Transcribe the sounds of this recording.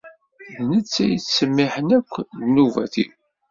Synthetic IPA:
ðnət͡sːæjət͡sːsəmːiħənækʷːðnuvæ̰θḭ

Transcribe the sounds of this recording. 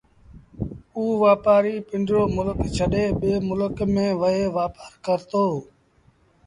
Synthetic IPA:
uːʋaːpaːɾiːpɪ̃ɳɖɾoːmʊləkt͡ʃʰəɗeːɓeːmʊləkmẽːʋəɦeːʋaːpaːɾkəɾt̪oː

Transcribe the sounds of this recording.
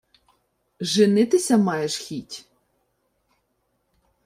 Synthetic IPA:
ʒɪnɪt̪ɪsʲɐmɑjeʃxʲitʲ

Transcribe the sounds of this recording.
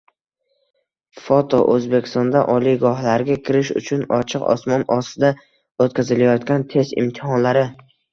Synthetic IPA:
fot̪ʰo̰ʔɵzbe̞kʲʰɪ̥st̪ɒnd̪aʔɒlijɡɒhlaɾɡʲakʲʰɪɾɪʃʊ̰t͡ʃʰʊnɒ̰t͡ʃʰɪqɒ̰smɒnɒst̪ɪd̪a | ot̪kʲʰazɪlajɒt̪kʲant̪ʰe̞zɪ̰mt̪ʰɪhɒnlaɾɪ

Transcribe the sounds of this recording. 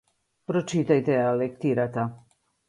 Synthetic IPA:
pɾot͡ʃit̪ajt̪ɛalekt̪iɾat̪a

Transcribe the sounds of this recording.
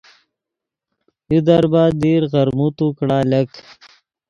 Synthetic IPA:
ud̪ɐɾbaːd̪iːɾɣɐɾmut̪ukɽaːlɐk

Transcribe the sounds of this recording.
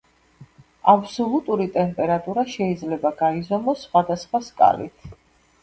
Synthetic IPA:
absɔlˠut̪ʼuɾit̪ʼɛmpʼɛɾat̪ʼuɾaʃɛid̪zlɛbaɡaizɔmɔsːχwad̪asχwaskʼa̰lḭt̪ʰ

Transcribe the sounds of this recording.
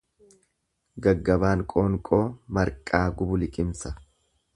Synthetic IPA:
ɡɐɡːɐbaːŋkʼo̞ːŋkʼo̞ːmɐɾkʼaːɡʊbʊlɪkʼɪmsɐ

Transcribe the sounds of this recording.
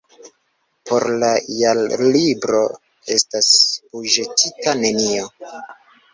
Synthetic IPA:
po̞ɾlajallibɾo̞ | e̞staspuʒetʰitane̞nio̞

